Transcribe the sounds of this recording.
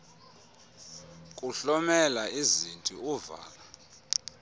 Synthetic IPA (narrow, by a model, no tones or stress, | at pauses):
kʼuɬɔmɛlaizintʼiuva̰ːla